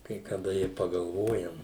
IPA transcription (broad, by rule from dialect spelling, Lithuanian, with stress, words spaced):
kɐɪ kɐˈdɐ ɪ pɐɡɐlˠˈʋoːjɛm